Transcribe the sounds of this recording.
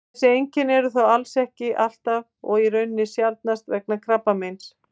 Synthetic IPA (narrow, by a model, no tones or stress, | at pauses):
sɪejɲcɪnɛɾʏθawalsɛhcɪʔal̥t̪av | ɔ̰ɣirœɥnːɪsjalt̪̚nast̪vɛk̚nakʰɾapːamejns